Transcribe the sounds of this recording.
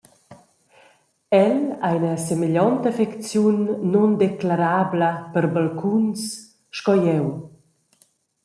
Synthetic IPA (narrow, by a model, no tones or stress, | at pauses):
ɛlajnəsemeʎɔnt̪əfekt͡sjunːɔnd̪eklaɾabləpəɾbalkʰuns | ʃkɔjɛw